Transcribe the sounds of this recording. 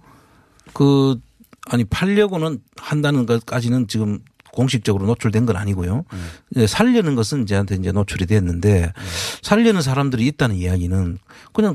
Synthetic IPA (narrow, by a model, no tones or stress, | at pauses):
kɯ | aɲipʰaʎːʌɡonɯnhandanɯnɡk͈ad͡ʑinɯnt͡ɕiɡɯm | koŋɕ̬ʰik̚t͡ɕ͈ʌɡɯɾonot͡ɕʰuɭdwe̞nɡʌna̰ɲiɡojod͡ʑe̞sʰaʎːʌnɯnɡʌsʰɯnid͡ʑe̞antʰe̞ind͡ʑe̞not͡ɕʰuɾidwe̞ʌnːɯnde̞sʰaʎːʌnɯns̬ʰaɾamdɯɾiːt̚t͈anɯnjejaɡinɯnkɯɲaŋ